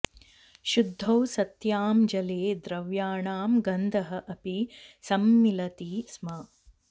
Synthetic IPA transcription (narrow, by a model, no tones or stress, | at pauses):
ʃud̪ʱːɐwsɐt̪jaːmd͡ʒɐleːd̪ɾɐʋjaːɳaːmɡɐnd̪ʱɐɦɐʔɐpisɐmːilɐt̪iːsmaː